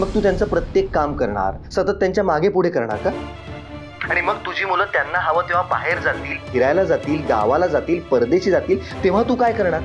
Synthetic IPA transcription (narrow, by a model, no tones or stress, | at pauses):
məɡ̚t̪uːt̪jant͡səːpɾət̪jekːamkəɾɳa̰ɾsət̪ət̪ːjaɲt͡ɕjamaɡʱepuɽ̤ekəɾɳa̰ɾka | aɽ̃iməɡ̚t̪ud͡ʑiːm̤uləːt̪janːaɦaʋəːt̪eʋ̤aba̰ɦeɾd͡zat̪iːlɦiɾajlad͡zat̪iːlɡ̪a̰ʋalad͡zat̪iːlpəɾd̪eɕiːd͡zat̪iːlt̪eʋ̤at̪uːkajkəɾɳaɾ